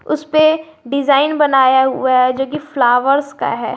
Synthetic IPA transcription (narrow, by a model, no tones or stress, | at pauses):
ʊspe | ɖɪzaːɪnbɐnaːjaɦʊ̰aɦɛd͡ʒoːkiflaːʋəɾska̰ɦɛ̰ː